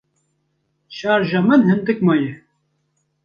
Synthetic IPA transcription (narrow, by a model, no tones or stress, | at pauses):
ʃɑːɾʒɑmɨnɦɨnd̪ɨkmɑːjɛ